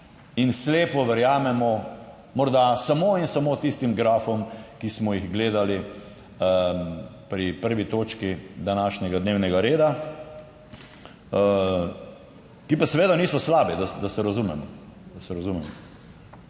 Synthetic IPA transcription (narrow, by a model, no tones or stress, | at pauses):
insleːpɔʋɛɾjaːmɛmɔ | mɔɾd̪asamoinsamoːt̪ist̪imɡɾaːfɔmkismɔjiɣɡleːd̪ali | pɾipəɾʋit̪oːt͡ʃkid̪anaːʃɲɛɡad̪neːwnɛɡaɾeːd̪a | kipasɛʋeːd̪aniːsɔslaːbid̪ad̪asɛɾazumɛmɔd̪ɐsɛɾazumɛmɔ